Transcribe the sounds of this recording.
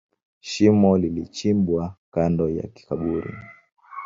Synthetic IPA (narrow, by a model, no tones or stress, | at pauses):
ʃimɔlilit͡ʃimbwakandɔja̰ki̥kaɓuɾḭ